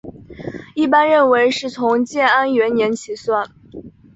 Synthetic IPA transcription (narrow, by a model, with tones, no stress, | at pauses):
i˥˩pa˥nɻə˥˩nwe˧˥ɪʂɻ̩˥˩t͡sʰʊ˧˥ŋt͡ɕjɛ˥˩na˥nɥɛ˧˥njɛ˧˥nt͡ɕʰi˨˧˩swa˥˩n